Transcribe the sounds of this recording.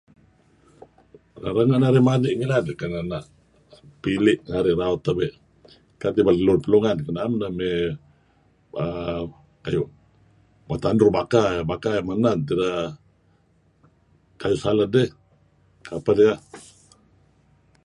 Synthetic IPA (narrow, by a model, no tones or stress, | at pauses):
aɾəŋanaɾɪmadiʔŋiladkananaʔ | pilɪʔŋaɾiraʊt̪ːabeʔ | kat̪ibaləlʊrpəluŋankənamnəme | ə | kajuʔ | mat̪andɾubakabakamanant̪ida | kajʊʔsaladɛh | kapadja